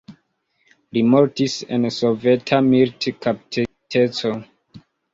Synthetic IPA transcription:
limoɾtisḛnsove̞tʰamiltkapitʰe | tʰet͡so

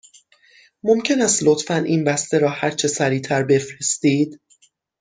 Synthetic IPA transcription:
mo̞mcʰe̞næst̪lot̪fænʔiːnbæst̪eɾɒːhæɾt͡ʃʰe̞sæɾiːt̪ʰæɾbe̞fɾe̞st̪iːd̪̥

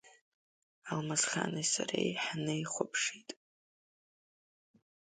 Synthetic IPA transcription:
almazχa̰nɨsa̰ɾejħnɨjχʷʊpʰʂitʼ

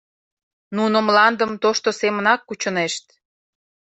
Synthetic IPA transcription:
nunəmlɑnd̪əmt̪oʃt̪osemənɑkːut͡ɕəneʃt̪̚

